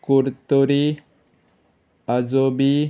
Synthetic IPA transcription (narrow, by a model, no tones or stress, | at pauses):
kuɾt̪uɾi | ad͡ʒobi